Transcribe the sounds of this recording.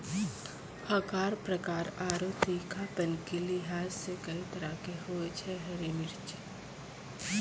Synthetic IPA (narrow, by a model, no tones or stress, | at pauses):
ɐkaːɾpɾɐkaːɾaːɾot̪iːkʰapɐnkilɪɦaːzsekɐit̪ɐɾakeɦoet͡ʃʰeɦɐɾinɪɾt͡ʃ